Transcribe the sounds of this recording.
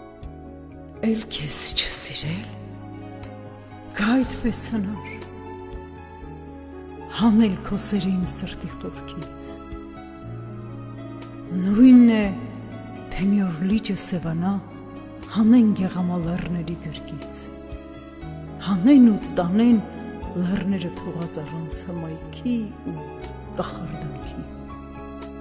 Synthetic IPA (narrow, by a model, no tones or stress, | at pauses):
ɛlkʰɛst͡ʃʰə̥siɾɛl | ɡ̥ʰɑɑjt̪pɛshənɑɾ | hɑnɛlkʰɔsɛɾimsəɾt̪iχɔvkʰit͡sʰ | nujnːɛ | t̪ʰɛmiɔɾlit͡ʃəsɛvɑnɑ | hɑnɛnɡɛʁɑmɑlɛrnɛɾiɡəɾkit͡sʰ | hɑnɛnut̪ɑnɛn | lərnɛɾət̪ʰɔʁɑt͡sɑrɑnt͡sʰhəmɑjkʰiu | kɑχɑrd̪ɑŋkʰi